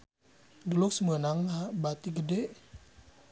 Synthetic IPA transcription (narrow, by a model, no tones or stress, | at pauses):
dulʊk̚səmənaŋːabat̪iɡədeʔ